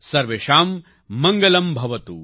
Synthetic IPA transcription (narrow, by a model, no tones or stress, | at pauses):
sɐɾʋeːʃaːmː | ɐŋɡɐlɐmbʱɐʋɐt̪ṵ